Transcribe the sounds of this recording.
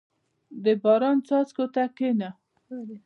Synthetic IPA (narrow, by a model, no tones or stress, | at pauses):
d̪əbɑɾɑnt͡sɑt͡skot̪akena